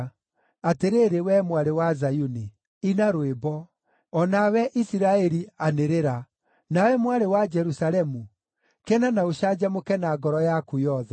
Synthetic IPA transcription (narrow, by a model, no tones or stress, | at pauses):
ateɾeɾewɛmwaɾewazajuni | inaɾwebɔ | ɔnawɛʔisiɾaɛɾianeɾeɾa | nawɛmwaɾewad͡ʒɛɾusaɾɛmu | kɛnanaoʃad͡ʒamokɛnaɡɔɾɔjakujɔðɛ